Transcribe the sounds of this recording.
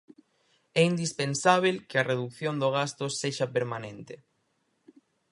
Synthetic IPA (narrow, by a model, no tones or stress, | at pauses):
ɛind̪ispensaβ̞elkɪɐreðukθjond̪oɣ̞ast̪oseʃɐpeɾmanẽnt̪e